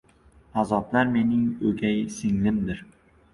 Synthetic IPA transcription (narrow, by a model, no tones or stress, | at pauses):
azɒblaɾme̞nɪŋɵɡʲajsɪŋlɪmd̪ɪɾ